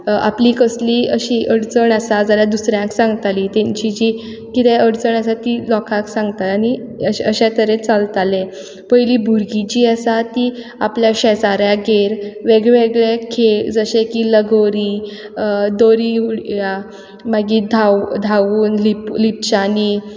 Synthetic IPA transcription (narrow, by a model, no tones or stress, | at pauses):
a̰pliːkəsliːəɕiːʔəɽt͡səɳasad͡zaljad̪usɾjãŋksãŋɡt̪aliːt̪ẽɲt͡ɕid͡ʑiː | kit̪ɛəɽt͡səɳasat̪ilɔkʰãksãŋɡt̪alani | əɕəɕat̪əɾet͡salt̪alẽ | pəjliːbʱuɾɡit͡ɕiːəsat̪iː | apljaɕɛd͡zaɾjaɡeɾʋeɡɭeʋeɡɭekʰed͡zəɕekiːləɡoɾiː | d̪oɾiːuɽja | maɡiːd̪ʱawd̪ʱaʋuːnliplip̚t͡ɕani